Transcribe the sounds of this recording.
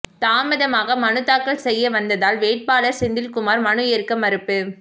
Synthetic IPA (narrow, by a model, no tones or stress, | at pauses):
t̪aːmɐðɐmaːɣɐmɐnɯt̪ːaːkːɐɭsɛjːɐʋɐnd̪ɐðaːlʋeːʈ̚paːlɐɾsɪnd̪ɪlkʊmaːɾmɐɳɯjeɾkːɐmɐɾɯpːɯ